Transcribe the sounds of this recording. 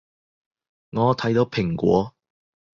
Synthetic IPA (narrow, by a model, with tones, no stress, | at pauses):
ŋɔː˨˧t̪ʰɐ˨˥jt̪o˨˧˥wpʰɪ˨˩ŋkʷɔ̰ː˨˥